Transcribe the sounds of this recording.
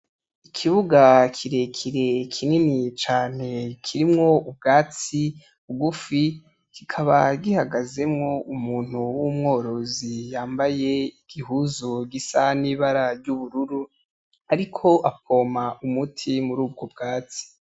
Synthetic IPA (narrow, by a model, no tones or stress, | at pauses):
ikʰiβuɡakʰiɾe̞kʰiɾe̞kʰininit͡ʃaːne̞kʰiɾimŋo̞ubɡaːt͡si | uɡufi | kikʰaβaɡihaɡaze̞mŋo̞umuːn̥huwumŋo̞ːɾo̞zijaːmbaje̞iɡ̥ihuzoɡisaniːβaɾaɾɟuβuɾuɾu | aɾikʰo̞ʔap̚o̞ːmaʔumutʰimuɾuːb̚ɡo̞b̚ɡaːt͡si̥